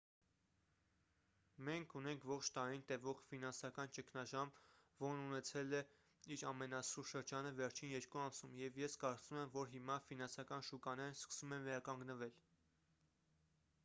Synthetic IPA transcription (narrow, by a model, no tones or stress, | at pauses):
mɛŋkʰunɛŋkʰvɔχt͡ʃʰt̪ɑɾint̪ɛvɔʁfinɑnsɑkɑnt͡ʃəkʰnɑʒɑmvɔɾnunɛt͡sʰɛlɛ | iɾɑmɛnɑsuɾʃəɾd͡ʒɑnəvɛɾt͡ʃʰinjɛɾkuɑmsumjɛvjɛskɑɾt͡sumɛmvɔɾɦimɑfinɑnsɑkɑnʃukɑnɛɾskə̥sumɛnvɛɾɑkɑŋɡnəvɛl